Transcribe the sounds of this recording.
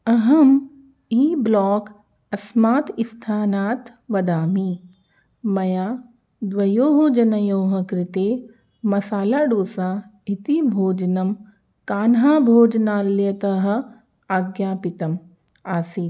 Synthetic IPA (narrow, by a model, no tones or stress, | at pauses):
ɐɦɐm | iːblɔːk | ɐsmaːt̪ɪst̪ʰaːnaːt̪ | ʋɐd̪aːmi | mɐjaː | d̪ʋɐjoːɦod͡ʒɐnɐjoːɦɐkɾɪt̪eː | mɐsaːlaːɖoːsaːit̪ibʱoːd͡ʒnɐm | kaːnɦaːbʱoːd͡ʒnaːlːjɐt̪ɐɦɐ̆ | aːɡjaːpɪt̪ɐm | aːsiː